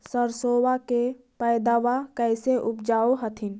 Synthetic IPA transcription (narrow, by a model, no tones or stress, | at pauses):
səɾsoːwake | pɛɪd̪awakɛɪseʔʊpd͡ʒaːoɦət̪ʰɪn